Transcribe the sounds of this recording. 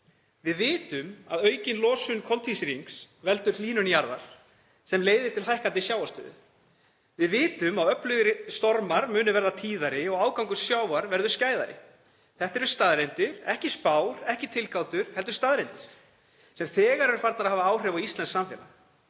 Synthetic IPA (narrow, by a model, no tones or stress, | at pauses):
vɪðvɪːt̪ʏmaðœːɥcɪnlɔːsʏnkʰɔlt̪visɪɾiŋks | vɛl̪t̪ʏɾ̥liːnʏnjaɾðaɾ̥ | sɛmleːjðɪɾ̥t̪ʰɪlɦajhkant̪ɪsjaːwast̪ʏ̰ːðʏ̰ | vɪðvɪːt̪ʏmaðœplʏɣɪɾst̪ɔɾmaɾmʏːnʏvɛɾðat̪ʰiːðaɾɪɔɣaːwkawŋkʏ̥sjaːwaɾvɛɾðʏɾ̥scaːjða̰ɾɪ̰ | θɛht̪ɛɾʏ̥st̪aːðɾejnt̪ɪɾ̥ɛhcɪspaːwɾ̥ɛhcɪt̪ʰɪlkaːwt̪ʏɾ̥hɛl̪t̪̬ʏ̥ɾst̪aːðɾejnt̪ɪɾ̥ | sɛmθɛːɣaɾɛɾʏɾ̥faɾt̪naɾðhɦavaaːwr̥ɛːvawist̪ɛnsamfjɛ̰na̰